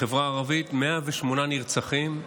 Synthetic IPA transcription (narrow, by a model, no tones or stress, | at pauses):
e̞vʁaːʁavitmeaveʃmo̞naniʁt͡saχim